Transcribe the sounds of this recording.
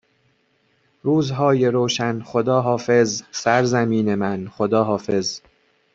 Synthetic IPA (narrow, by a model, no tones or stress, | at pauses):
ɾuːzɦɒːje̞ɾoːʃænxo̞d̪ɒːɦɒːfe̞zsæɾzæmiːne̞mænxod̪ɒːɦɒːfe̞z